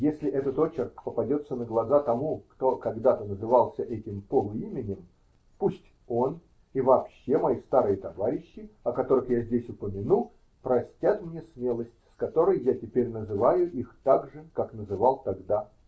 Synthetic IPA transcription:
jesʲlʲɪʔɛt̪ət̪o̞t͡ɕɪrkpəpɐdʲo̞t̪sənəɡlˠɐzat̪ɐmukt̪o̞kɐɡd̪at̪ənəzɨvɑlˠsʲəʔɛtʲɪmpolˠʊimʲɪnʲɪm | pusʲtʲ | o̞n | ivɐːpɕːe̞mɐist̪aɾɨjət̪ɐvaɾʲɪɕːɪɐkɐt̪o̞ɾɨxjazʲdʲesʲʊpəmʲɪnu | pɾɐsʲtʲat̪mnʲesmʲelˠəsʲtʲskɐt̪o̞ɾəjjatʲɪpʲeɾʲnəzɨvajʊʔixt̪aɡʐɨkaknəzɨvalˠt̪ɐɡd̪a

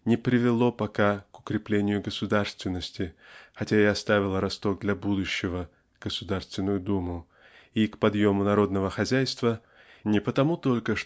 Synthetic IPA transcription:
nʲɪpɾʲɪvʲɪlˠo̞pɐkakʊkɾʲɪplʲenʲɪjʊɡəsʊd̪arst̪vʲɪnːəsʲtʲɪxɐtʲaɪɐst̪avʲɪlˠəɾɐst̪o̞k̚d̪lʲɐbud̪ʊɕːɪvə | ɡ̥əsʊd̪arst̪vʲɪnːʊjʊd̪umʊ | ikpɐd̪jo̞mʊnɐɾo̞d̪nəvəxɐzʲæjst̪və | nʲɪpət̪ɐmut̪o̞lʲkəʂ

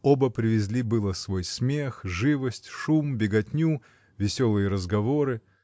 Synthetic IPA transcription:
obəpɾʲɪvʲɪzʲlʲibɨlˠəsvo̞jsmʲexʐɨvəsʲtʲʂumbʲɪɡɐtʲnʲu | vʲɪsʲolˠɨjəɾəzɡɐvoɾɨ

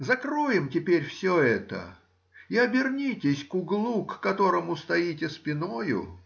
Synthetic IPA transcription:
zɐkɾojɪmtʲɪpʲeɾʲfsʲoɛt̪ə̰ | iɐbʲɪrnʲitʲɪsʲkʊɡlˠukːɐt̪o̞ɾəmʊst̪ɐitʲɪspʲɪnojʊ̰

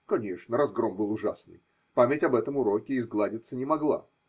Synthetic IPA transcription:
kɐnʲe̞ʂnəɾɐzɡɾo̞mbɨlˠʊʐasnɨ̰j | pamʲɪtʲɐbɛt̪əmʊɾo̞kʲɪːzɡlˠadʲɪt̪sənʲɪmɐɡlˠa̰

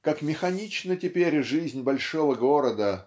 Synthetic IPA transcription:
kakmʲɪxɐnʲit͡ɕnətʲɪpʲeɾʲʐɨzʲnʲbɐlʲʂovəɡoɾəd̪ə

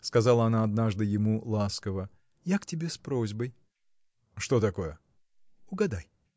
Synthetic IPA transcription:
skɐzalˠəɐnaɐd̪naʐd̪ɨjɪmulˠaskəvə | jaktʲɪbʲespɾo̞zʲbəj | ʂt̪o̞t̪ɐko̞jə | ʊɡɐd̪aj

